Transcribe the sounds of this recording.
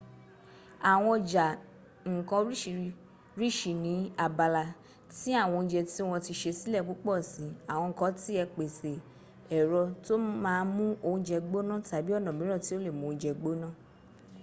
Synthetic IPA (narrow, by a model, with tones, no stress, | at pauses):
a˨w̃ɔ̃˧ɔ˧d͡ʒa˨ | ŋ̩˨kã˧ɾi˦ʃi˨ | ɾi˦˨ʃi˨nĩ˨˦a˨ba˧la˧ | ti˦a˦˨w̃ɔ̃˧d͡ʒɛ˧ti˦w̃ɔ̃˧ti˧ʃe˧si˦lɛ˦˨k͡po˨˦k͡pɔ˦˨si˨˦a˨w̃ɔ̃˧ŋ̩˨kɔ̃˧˦ti˦ɛ˧k͡pe˨se˨ | ɛ˨ɾɔ˧to˦mãː˦˧˦mũ˦o˧ũ˧˦d͡ʒɛ˧ɡ͡bo˦nã˦˨ta˨˦bi˦ɔ˦˨nã˨mĩ˨˦ɔ̃˦˨ti˦o˦le˦˨mũ˨˧˦d͡ʒɛ˧ɡ͡bo˦nã˦˨